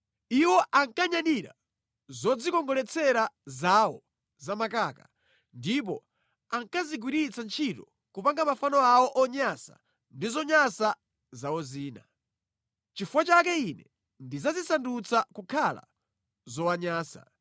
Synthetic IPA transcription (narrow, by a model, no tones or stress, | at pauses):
iwɔʔaŋkaɲaniɾa̰ | zɔd͡zikɔŋɡɔlɛt͡sʰɛɾazawɔ | zamakaːka | ndip̬ɔ | aŋkaziɡwiɾit͡sant͡ʃʰitɔ | kupaŋɡamafanɔawɔʔɔɲasa | ndizɔɲasa | zaɔziːna | t͡ʃifuwat͡ʃakɛinɛ | ndizazisandut͡sakukʰala̰ | zɔwaɲaːsa̰